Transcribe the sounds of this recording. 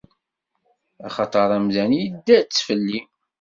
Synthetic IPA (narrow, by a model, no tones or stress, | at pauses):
ɑχɑt̪ˤɑɾˤæmðænijəd̪ːæt͡sːfəlːim